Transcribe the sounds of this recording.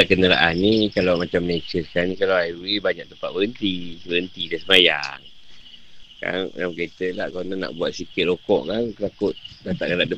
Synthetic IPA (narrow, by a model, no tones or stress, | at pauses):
aʔkənəla̰ʔannikalawmat͡ʃamnet͡ʃəskanikalawajiulibaɲak̚t̪əmpat̪̚bəənt̪ibəənt̪idasəmaja̰ŋ | ka̰n̰jamket̪əlahknahna̰ʔbuat̪̚sikɪt̪̚rokɔ̰ʔkant̪akʊt̪̚dat̪aʔkalaʔdə